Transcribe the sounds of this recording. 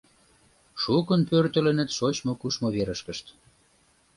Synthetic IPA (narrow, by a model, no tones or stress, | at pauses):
ʃukənpørt̪ə̆lə̆nə̆t̪ʃot͡ɕmokuʃmoβeɾəʃkəʃt̪